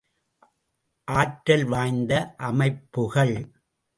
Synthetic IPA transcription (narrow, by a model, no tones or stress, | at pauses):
ʔaːʈɾɐlʋaːjnd̪ɐʔɐmɐɪpːɯɣɐɭ